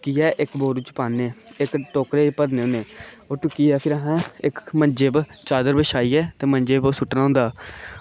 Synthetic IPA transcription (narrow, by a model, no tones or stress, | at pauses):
ʊkiːɛːʔɪkboːɾuːt͡ʃəpaːneːɪkʈoːkɾeːpəd̪neːoneːoːʈʊkiːɛːpʰɪɾəɦãːɪkməɲd͡ʒeːbt͡ʃaːd̪əɾbəʃaːiːɛːt̪eːmə̃ɲd͡ʒeːbsʊʈnãːõːnd̪aː